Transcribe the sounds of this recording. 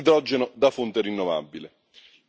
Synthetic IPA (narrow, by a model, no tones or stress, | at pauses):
d̪ɾɔd͡ʒːenʊd̪afunt̪erɾinːɔva̰bːilɪ